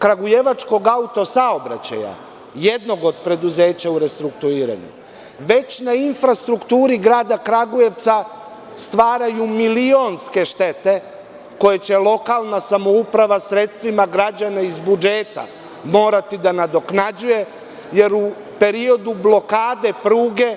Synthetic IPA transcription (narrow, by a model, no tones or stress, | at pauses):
kɾaɡujeʋat͡ʃko̞ɡaut̪o̞sao̞bɾa̰t͡ɕa̰ja̰ | je̞d̪no̞ɡo̞d̪pɾe̞d̪uze̞ːt͡ɕauɾe̞st̪ɾukt̪uiːɾa̰ɲṵ | ʋe̞t͡ɕnainfɾast̪ɾukt̪uːɾiɡɾaːd̪akɾaɡuje̞ʋt̪sa | st̪ʋaːɾajumilio̞nske̞ʃt̪e̞t̪e̞ | ko̞jet͡ɕe̞lˠo̞kalˠnasamo̞upɾaʋasɾe̞t̪st̪ʋimaɡɾad͡ʑanaizbud͡ʒeːt̪a̰ | mo̞ːɾat̪id̪anad̪o̞knad͡ʑuje̞ | je̞ɾu | pe̞ɾio̞d̪ublˠo̞kaːd̪e̞pɾuːɡe̞